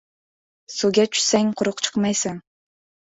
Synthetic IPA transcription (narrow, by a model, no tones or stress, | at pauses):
suɡʲat͡ʃʰy̥saŋqʰʊɾʊqt͡ʃʰɨ̥qmɑjsaŋ